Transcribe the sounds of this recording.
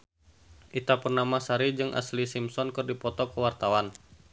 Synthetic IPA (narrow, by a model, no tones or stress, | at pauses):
ʔit̪apurnamasaɾid͡ʒɨŋʔa̰slisimsɔnkɨrdipɔt̪ɔkəwart̪awan